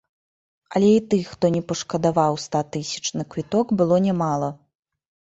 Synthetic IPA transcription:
ɐlʲɛit̪ɨxt̪ɔnʲɛpɐʂkɐd̪avawst̪at̪ɨsʲɐ̥t͡ʂnɨkvʲit̪ɔɡbɨlˠɔnʲamalˠɐ

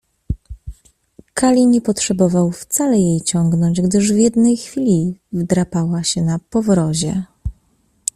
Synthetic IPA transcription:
kʰalʲiɲɛpɔtʂɛbɔvawft̪salɛjejt͡ɕɔŋɡnɔɲd͡ʑɡd̪ɘʐvʲjɛd̪nɛjxfʲilʲivd̪ɾapawaɕɛnapɔvɾɔʑɛ

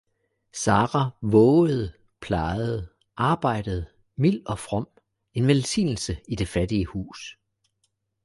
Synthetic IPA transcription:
sɑ̈ːʁɑʋɔːʊð̞̩ˠ | pʰlɑ̈ɪð̞̩ˠ | ʔɑ̈ːb̥ɑ̈ɪ̰d̥əð̞̩ˠ | mil̰ɒ̽fʁɒ̽m̰ | e̝nʋelsḭːnl̩səid̥e̝fæd̥iəhṵːs

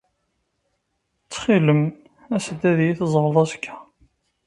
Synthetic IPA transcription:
t͡sːχiləm | æsəd̪ːæðjiθzˤʁlˤɑskʰːæ̥

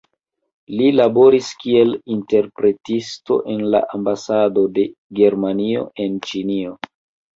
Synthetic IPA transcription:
lilabo̞ɾiskie̞linte̞ɾpɾe̞tisto̞̰ʔe̞nla̰ʔambasado̞de̞ɡe̞ɾmanio̞̰e̞nt͡ʃinio̞

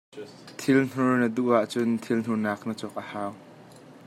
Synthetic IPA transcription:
t̪ʰɪln̥uɹnəd̪uʔaʔt͡sʊnt̪ʰiln̥unaːk̚nət͡sɔk̚ʔəhaːw

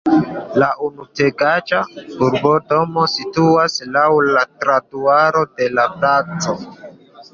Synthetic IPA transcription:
laʔunuteɡat͡ʃauɾbodo̞mo̞situaslawlatɾatuaɾo̞de̞lapat͡so

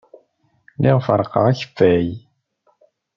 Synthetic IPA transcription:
liʁfəɾˤəqə̰ʁæçə̥fːæj

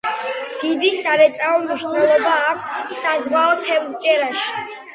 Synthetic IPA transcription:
d̪̥id̪isaɾɛt̪sʼaɔmiʃnɛlˠɔbaːk̚ʷʰt̪ʰsazwaɔt̪ʰɛvzt͡ʃʼɛɾaʃi̥

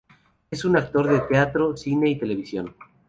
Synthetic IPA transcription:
esunak̚t̪o̞ɾðet̪eat̪ɾosine̞it̪e̞le̞β̞isjo̞n

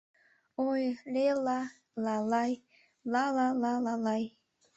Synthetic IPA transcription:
ojlela | lalaj | lalalalalaj

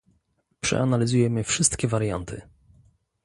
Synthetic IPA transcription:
pʂɛ̰analʲizujɛmɘfʂɘst̪kʲɛvaɾja̰nt̪ʰɘ̰

